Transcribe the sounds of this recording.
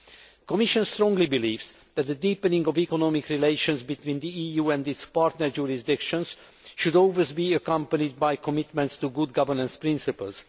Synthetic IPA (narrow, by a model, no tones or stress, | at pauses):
kɔmiʃɔ̃nst̪ɾɔ̃ŋɡlibiliːvz | ðæt̪̚d̪ədipə̃nĩŋɡɔvikɔnɔmikɹileɪʃɔ̃nsbit̪wĩːnd̪iijuːɛ̃ndɪtspaɹɾtnəɹd͡ʒuɹisd̪ɪkʃɔ̃ns | ʃudɔlˠwezbiəkʌ̃mpənid̪̚bajkɔmɪt̪mɛ̃ntst̪uɡud̪̚ɡavənə̃nspɾɪ̃nsipə̰ls